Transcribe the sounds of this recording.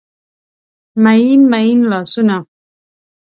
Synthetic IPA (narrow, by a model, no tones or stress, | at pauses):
majinmajinlasuna